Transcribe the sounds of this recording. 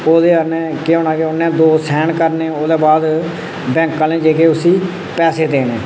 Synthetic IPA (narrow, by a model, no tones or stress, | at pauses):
oːd̪eːənẽːkeoːnãːkeʊnːɛ̃ːd̪oːsɛːɳkəɾneːoːd̪eːbaːd̪ | bɛ̃ːŋkãːnẽːd͡ʒeːkeːʊsiː | pɛːseːd̪eːnḛː